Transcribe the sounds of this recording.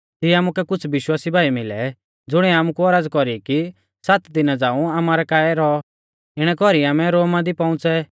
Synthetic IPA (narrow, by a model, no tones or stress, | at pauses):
t̪iamukɛkʊt͡sʰʋɪʃwaːsibʱaːimɪlɛ̰ | d͡zʊɽ̃ɛaːmukuɔɾad͡zkɔɾiki | sat̪d̪ɪnad͡zaːũamaːɾɛkaːɛɾɔ | ɪɽ̃ɛkɔɾiaːmɛ̃ɾoːmãd̪ipãʊ̃t͡sɛ